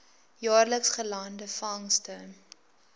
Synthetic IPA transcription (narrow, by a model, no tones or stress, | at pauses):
jɑːrləksχəlɐndəfɐŋstə